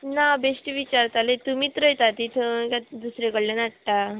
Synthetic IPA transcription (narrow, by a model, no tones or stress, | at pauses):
nabesʈʋit͡ɕaɾt̪alet̪umiːt̪ɾəjt̪at̪it̪ʰəkad̪usɾekəɽlanaʈʈa